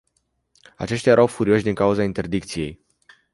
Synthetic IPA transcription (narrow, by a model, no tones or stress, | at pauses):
a̰t͡ʃe̞ʃt̪ʲjajeɾʔawfuɾio̞ʃ̬ʲd̪iŋkauzaint̪erd̪ik̚t̪sije̞j